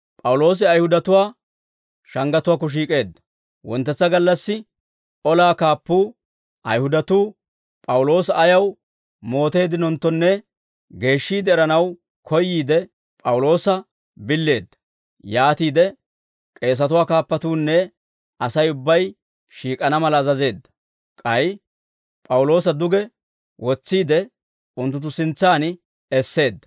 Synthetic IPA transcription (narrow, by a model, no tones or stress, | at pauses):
pʼɐwʊlo̞ːs̬ɪɐjhʊd̪ɐt̪ʊwaː | ʃɐŋɡɐt̪ʊwaːk̬ːɔʃ̬iːkʼe̞ːd̪ːɐ̥ | wɔ̰nt̪ːɛt͡sːɐɡɐlːɐsːɪ | ʔɔlaːkaːpːuː | ʔɐ̰jhʊd̪ɐt̪uː | pʼɐwʊlo̞ːsɐʔːjɐw | mo̞ːt̪e̞ːd̪ɪnɔnt̪ːɔnːɛ | ɡe̞ːʃːiːd̪ɛɛɾɐnɐw | kʰɔjːiːd̪ɛ | pʼɐwʊlo̞ːsɐ | bɪlːe̞ːd̪ːɐ̥ | jaːt̪iːd̪ɛ | kʼe̞ːs̬ɐt̪ʊwaːkaːpːɐt̪uːnːɛ | ɐsɐjʊbːɐj | ʃiːkʼɐnɐmɐlɐzɐze̞ːd̪ːɐ̥ | kʼɐj | pʼɐwlo̞ːs̬ɐd̪ʊɡɛ | wɔt͡sːiːd̪ɛ | ʊnt̪ːʊt̪̬ːʊsɪnt͡sːaːnɪ | ɛsːe̞ːd̪ːɐ̥